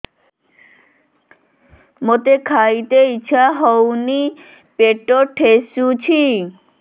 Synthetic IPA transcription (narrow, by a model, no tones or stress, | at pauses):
mot̪ekʰajt̪eiːɕʰaɦowni | peʈoʈʰːeʃut͡ɕʰi